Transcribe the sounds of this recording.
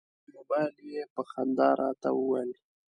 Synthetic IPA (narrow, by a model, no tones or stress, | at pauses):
mobɑljepəxand̪ɑɾʔɑ̰t̪a̰wəwali